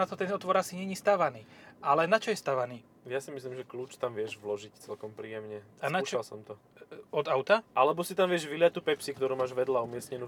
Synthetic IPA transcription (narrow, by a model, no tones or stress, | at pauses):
at̪ɔt̪ɛnɔt̪ʋɔɾasiɲɛɲiːst̪aʋaniːʔalɛnat͡ʃɔjɛst̪aʋaniː | jasimislimʒɛkluːt͡ʃt̪amʋɪɛʒʋlɔʒict͡sɛlkɔmpɾiːjɛmɲɛanaut͡ʃalsɔmt̪ɔ | ɔd̪aʊt̪aʔalɛbɔsit̪amʋɪɛʒʋilɪac̚t̪ːuːpɛpsikt̪ɔɾuːmaːʒʋɛd̪laumɪɛsɲɛnuː